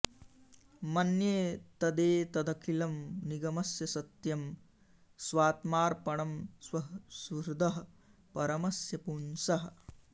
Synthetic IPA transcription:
mɐnjeːt̪ɐd̪eːt̪ɐd̪ɐkʰilɐmniɡɐmɐsjɐsɐt̪jɐm | sʋaːt̪maːɾpɐɳɐmsɐsuɾd̪ʱɐɦɐ | pɐɾɐmɐsjɐpuːnsɐɦɐ̆

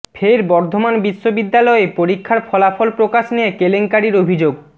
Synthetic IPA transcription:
fʰeɾbɔɾd̪ʱomanbiʃːobid̪ːalɔepoɾikʰːaɾfʰɔlafolpɾokaʃnijekeleŋkaɾiɾobʱid͡ʑoɡ

